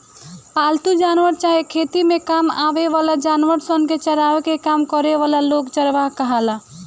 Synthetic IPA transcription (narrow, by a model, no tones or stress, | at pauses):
palt̪ud͡ʒanʋəɾt͡ʃaɦekʰet̪imekama̰beʋalad͡ʒanʋəɾsənket͡ʃəɾaʋekekamkəɾeʋalalokt͡ʃəɾʋaɦkəɦala